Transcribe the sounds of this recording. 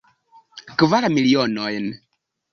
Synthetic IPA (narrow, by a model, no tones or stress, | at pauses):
kɨvalamiliɔnɔjn